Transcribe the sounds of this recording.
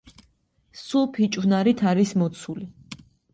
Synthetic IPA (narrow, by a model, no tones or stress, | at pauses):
supʰit͡ʃʼvnaɾit̪ʰaɾismɔt̪sʰuli